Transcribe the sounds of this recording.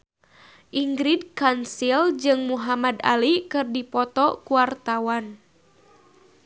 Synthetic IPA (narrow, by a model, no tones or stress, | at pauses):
ʔiŋɡɾid̚kansild͡ʒɨŋmuɦamada̰likɨrdipɔt̪ɔkuwart̪awan